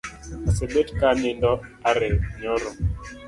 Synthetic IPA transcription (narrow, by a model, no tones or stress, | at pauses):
asebetkanɪndɔaɾɛɲɔɾɔ